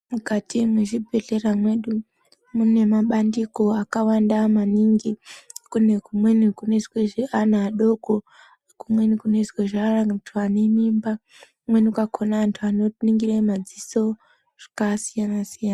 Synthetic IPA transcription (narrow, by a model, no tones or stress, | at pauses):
mukatimweʐibʱe̞ɮeramwe̞ɗu | mune̞maɓandiko̞akawandamaniŋɡikunekumwe̞nikunoisweʐianaːɗo̞ko | kumwe̞nikunoisweʐarantʰuanemimba | umwe̞nukakʰonaantʰuanoniŋɡiremad͡ziso̞ | ʐ̥akasijanasijana